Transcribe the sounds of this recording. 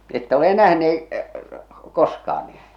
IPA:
etːæ ole næhneː koskɑːn niː

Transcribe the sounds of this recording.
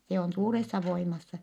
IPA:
se on suːresːɑ ʋoimɑsːɑ

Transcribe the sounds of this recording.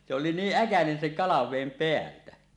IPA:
se oli niːʔ ʔækænen seŋ kɑlɑʋeˑim peæltæ

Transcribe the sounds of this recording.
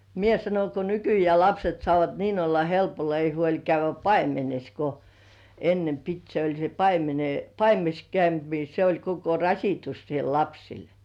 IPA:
mie sɑnoŋ ko nykyjeæˑ lɑpset sŏɑˑʋɑt niːn olːɑ helpolːɑ ei huolʲ kæyʋˑæ pɑimenes ko enːem pit se olʲ se pɑimene pɑimenes kæynt ni se olʲ koko rɑsitus siel lɑpsil

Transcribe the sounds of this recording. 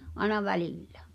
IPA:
ʔɑĕnɑ ʋæliˑlːæ̥̠

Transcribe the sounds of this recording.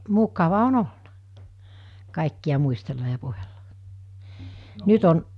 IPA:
mukɑʋɑ on olnɑ kɑˑikːiɑ muistelːɑ jɑ puhelːɑ nyt on

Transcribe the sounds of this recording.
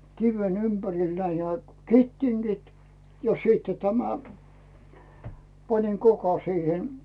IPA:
kiʋen ympæril næi næː ketːiŋɡ̊it jɑ siːtːe tæmæ pɑniŋ kokɑ siːhen

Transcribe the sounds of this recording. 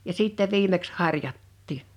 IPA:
jɑ siˑtːɛ ʋiːmeks hɑrˑjɑtːiː

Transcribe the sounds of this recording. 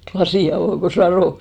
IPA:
klɑsiˑ ɑʋoˑ ko sɑroˑ

